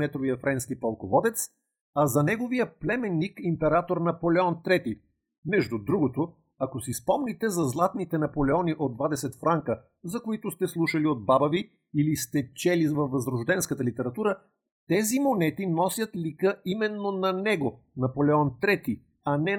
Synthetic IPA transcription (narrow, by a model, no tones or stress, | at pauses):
ɛt̪ɾovijəfɾɛnskipɐlˠkovɔd̪ɛt̪s | ɐzɐnɛɡovijəplɛmɛnːikimpɛɾat̪oɾnɐpolɛɔnt̪ɾɛt̪i | mɛʒd̪ud̪ɾuɡot̪o | ɐkosispɔmnit̪ɛzɐzlˠat̪nit̪ɛnɐpolɛɔniʔod̪vad̪ɛsɛt̪fɾaŋkə | zɐkoit̪ʊst̪ɛslˠuʃɐliod̪̚babəvi | ilist̪ɛt͡ʃɛlivɐfvɐzɾoʒd̪ɛnskət̪əlit̪ɛɾɐt̪uɾə | t̪ɛzimonɛt̪inɔsʲjət̪likəimɛnːonɐnɛɡo | nɐpolɛɔnt̪ɾɛt̪i | ɐnɛ